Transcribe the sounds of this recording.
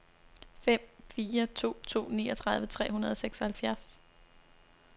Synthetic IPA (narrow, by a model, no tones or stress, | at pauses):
fem̰fiːɐt͡sʰo̝̰ːt͡sʰo̝̰ːnḭːɒt͡sʰʁɑ̈ðˠʋət͡sʰʁɛ̰ːɦunɐð̞ˠɒseɡ̥sɒ̽hælfjæɐs